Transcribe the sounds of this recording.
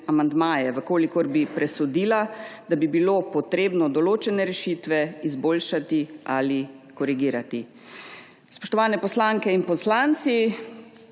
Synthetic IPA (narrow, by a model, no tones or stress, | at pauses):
amand̪maːjɛʋəkoːlikɔɾbipɾɛsɔd̪iːlad̪abibilopɔt̪ɾeːbnɔd̪ɔloːt͡ʃɛnɛɾɛʃiːt̪ʋɛizboːlʃat̪iali | kɔɾiɡiːɾat̪i | spɔ̥ʃt̪ɔʋaːnɛpɔslaːŋkɛinpɔslaːnt̪si